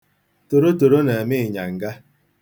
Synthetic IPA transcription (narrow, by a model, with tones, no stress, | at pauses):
to˨ɾo˦to˨ɾo˦ne˨mɪ˦ɪ˨ɲa̰˨ŋ̩˨ɡa˦